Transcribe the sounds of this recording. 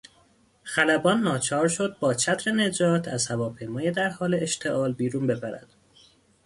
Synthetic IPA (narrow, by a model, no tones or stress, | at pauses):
xælæbɒːnːɒːt͡ʃʰɒːɾʃo̞d̪̚bɒːt͡ʃʰæt̪ɾe̞ne̞d͡ʒɒːt̪ʰæz̥hævɒːpʰe̞jmɒːjed̪æɾhɒːleeʃt̪ʰe̞ʔɒːlbiːɾuːnbe̞fæɾæ̰d̪̥